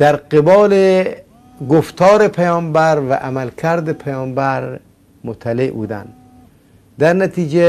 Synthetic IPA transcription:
d̪̥æɾqebɒːle | ɡoft̪ʰɒːɾepʰajɒːmbæɾvæ̰ʔamælkʰæɾd̪epʰæjɒːmbæɾ | mot̪ʰːaleʔbṵːd̪æ̰nd̪ | d̪æɾnæt̪ʰiːd͡ʒe

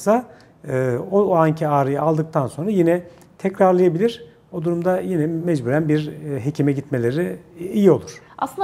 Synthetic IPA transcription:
sa | ɯːoaɲcʰiaːɾɯjaalˠd̪ɯk̚t̪ʰanso̞nɾajinɛ | t̪ʰɛcɾaɾlˠɯjabilʲiɾ̥ | o̞d̪uɾumd̪ajinɛmɛd͡ʒbuːɾænbiɾɦecʰimɛɟit̪me̞lʲeɾiijio̞lˠuɾ̥ | ʔa̰slˠɯn

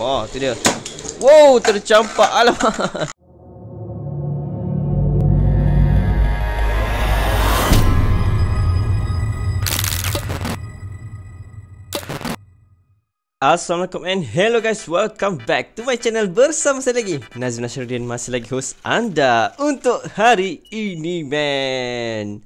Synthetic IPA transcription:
at̪udiəwowt̪əɾt͡ʃampaʔalama | aslamalakɔ̃mɛ̃nɦɛloɡajswɛlkãmbɛk̚tumajt͡ʃɛnəlbərsamasajlaɡinazimnasdiə̃nmasilaɡiɦosʔa̰ndaunt̪ʊʔhaɾiinimɛ | n

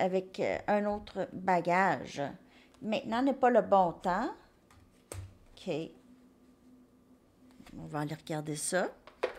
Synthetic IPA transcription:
avɛkœ̃not̪χəbaɡaʒ | mɛ̃t̪̚nɑ̃nɛpaləbɔ̃t̪ã | kʲʰe | ɔ̃vaːleʁəɡaʁd̪esʌ

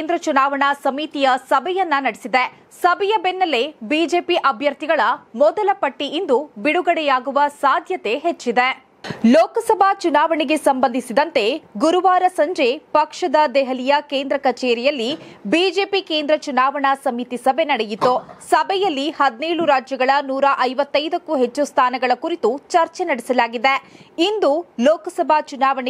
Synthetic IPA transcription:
eːnd̪ɾɐt͡ʃunaːʋɐɳɐsɐmit̪ijɐsɐbʱɛjɐnːɐnɐɽesid̪e | sɐbʱɛjɐbenːɐlebiːd͡ʒe̞ːpiʔɐbʱjɐɾt̪iɡɐɭɐmɔd̪ɐlɐpɐʈːiʔind̪ubiɽuɡɐɽɛjaːɡuʋɐsaːd̪ʱjɐt̪e̞ɦet͡ʃːid̪e | lɔːkɐsɐbʱat͡ʃunaːʋɐɳiɡe̞sɐmbɐnd̪ʱisid̪ɐnt̪eɡuɾuʋaːɾɐsɐɲd͡ʒe̞pɐkʂɐd̪ɐd̪ɛɦɐlijɐkeːnd̪ɾɐkɐt͡ʃeːɾijɐlːibiːd͡ʒe̞ːpikeːnd̪ɾɐt͡ʃunaːʋɐɳɐsɐmit̪isɐbʱe̞nɐɽejit̪ːosɐbʱɛjɐlːihɐd̪ineːɭuɾaːd͡ʒjɐɡɐɭɐnuːɾaʔɐjʋɐt̪ːɐjd̪ɐkːuɦet͡ʃːust̪ʰaːnɐɡɐɭɐkuɾit̪ut͡ʃɐɾt͡ʃenɐɽɛsɐlaːɡid̪eind̪ulɔːkɐsɐbʱat͡ʃunaːʋɐɳ

